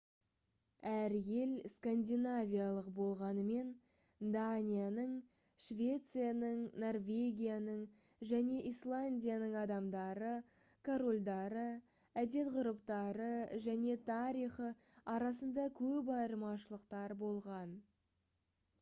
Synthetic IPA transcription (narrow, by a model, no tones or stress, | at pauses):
æɾje̞lskand̪ʲijnavʲijalˠəqbo̞lˠʁɑnəme̞n | d̪anʲijanəɴ | ʃvʲe̞t̪sɨjanəɴno̞rvʲe̞ɡʲijanəɴ | ʒæne̞ʔislˠanʲdʲijanəɴɑd̪ɑmd̪ɑɾə | kʰoɾolʲd̪ɑɾə | æd̪e̞t̪qʊɾəpt̪ɑɾəʒæne̞t̪ʰɑɾijχə | ɑɾɑsənd̪ɑkʲʰɵpɑjəɾəmɑʃəlˠəqt̪ɑɾbo̞lˠʁɑn